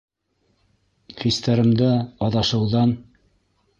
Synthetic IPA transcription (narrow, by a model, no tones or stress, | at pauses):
χist̪æɾɘ̆md̪ɘɑðɑʃɤ̆wðɑn